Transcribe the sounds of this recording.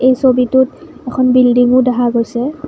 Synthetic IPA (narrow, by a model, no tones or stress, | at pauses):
ejsobitʊtɛkʰɔnbildiŋʊdɛɦaɡojsɛ